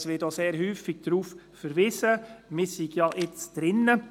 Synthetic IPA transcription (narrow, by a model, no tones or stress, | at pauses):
sʋɪtoseːɾhyːfɪɡ̥̚d̥ɾuːf | fəɾʋɪsəmɪsiɡjɑʔɪt͡sd̥ɾɪnːə